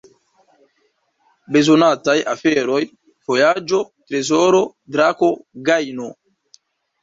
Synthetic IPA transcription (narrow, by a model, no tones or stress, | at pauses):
be̞zonatajafeɾo̞j | v̥o̞jad͡ʒo̞tɾe̞zo̞ɾo̞ | dɾako̞ɡajno